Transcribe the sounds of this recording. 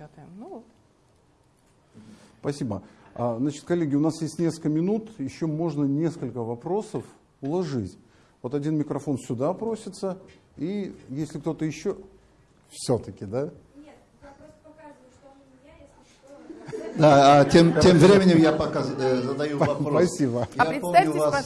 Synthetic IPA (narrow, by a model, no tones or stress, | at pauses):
t̪mnut̪ | spɐsʲibəaznat͡ɕɪt̪kɐlʲːeɡʲɪʊnasjesʲtʲnʲe̞skəlkəmʲɪnut̪jɪɕːomo̞ʐnənʲe̞skəlʲkəvɐpɾo̞səf | ʊlˠɐʐɨtʲ | vo̞t̪ɐdʲinmʲɪkɾɐfo̞nsʲʊd̪apɾo̞sʲɪt̪səijesʲlʲɪkt̪o̞t̪əjɪɕːo | fsʲot̪əkʲɪd̪a | ɐka | d̪aatʲemtʲemvɾʲemʲɪnʲɪmjapɐkazzəd̪ɐjuvɐpɾoɐssʲibəjapomnʲʊvas